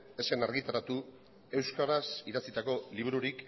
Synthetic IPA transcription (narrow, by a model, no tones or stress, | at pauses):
e̞se̞naɾɣit̪aɾat̪u | e̞wskaɾasiðat͡sit̪ako̞liβuɾuɾik